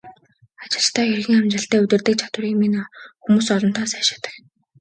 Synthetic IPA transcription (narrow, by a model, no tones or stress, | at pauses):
at͡ɕɪ̆ɬt̪ʰæːjɵrɣiːŋamt͡ɕrə̆ɬt̪æːɵt̪ɘ̆rt̪ɘ̆k̚t͡ɕʰḁt̪wʊ̆riminxumuːsɔɮɞ̆nt̪ʰaːsæːʃḁt̪ə̥̆k